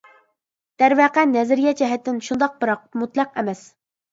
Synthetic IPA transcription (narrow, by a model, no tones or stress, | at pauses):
d̪̥æɾvæqɛnɛzɪɾɡʲjʲɛd͡ʒɛɦɛt̪ːɪnʃund̪ɑq̚bɨɾɑq̚mut̪lˠɑqɛmɛs